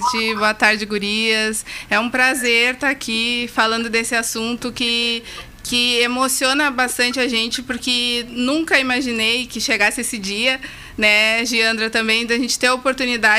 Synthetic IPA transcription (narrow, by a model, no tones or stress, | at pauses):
d͡ʒɪboɐt̪aɾd͡ʒɪɡuɾiɐsɛũpɾazeɾt̪akʰifalɐ̃nd̪ʊd̪esɪasũnt̪ʊkɪ | kɪemosiõnɐbast̪ɐ̃nt͡ʃɪaʒẽnt͡ʃɪpʊɾkɪnũkɐimaʒinejkɪʃeɡasɪesɪd͡ʒiɐ | nɛʒiɐ̃nd̪ɾɐt̪ɐ̃mbẽj̃d̪ɪaʒẽnt͡ʃɪ̥t̪ẽj̃opoɾt̪unid̪a